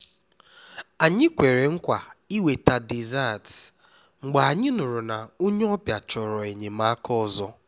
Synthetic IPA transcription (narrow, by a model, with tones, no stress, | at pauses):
a˨ɲɪ˦kʷe˨ɾe˨ŋ̩˦kʷa˨i˦we˨ta˨di˨za˦˨t | ŋ͡m̩˨ɡ͡ba˨a˨ɲɪ˦nʊ˨ɾʊ˨na˨o˦ɲe˦ɔ˦pja˨t͡ʃɔ˨ɾɔ˨e˨ɲe˨ma˦kɔ˦˨zɔ˦